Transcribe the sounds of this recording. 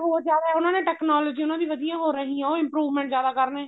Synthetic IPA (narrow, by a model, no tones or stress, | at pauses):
ɦoːzjaːd̪aːɦɛːʊnãːneːʈɛːknaːlɔːd͡ʒiːʊnãːd̪iːʋəd̪ijãːɦoːɾəɦĩːãːoːɪ̃mpɾuːʋmɛ̃ːɳʈzjaːd̪aːkəɾneː